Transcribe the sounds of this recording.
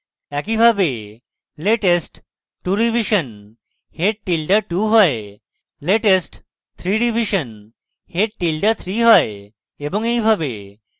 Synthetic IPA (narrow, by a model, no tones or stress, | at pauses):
ɛkibʱabe | leʈesʈː | uɖibʱiʃən | heʈ̚ʈːilɖəʈuɦɔe | leʈesʈ | t̪ʰɾiɖibʱiʃən | heʈʈilɖət̪ʰɾiɦɔeː | bɔŋejbʱabḛ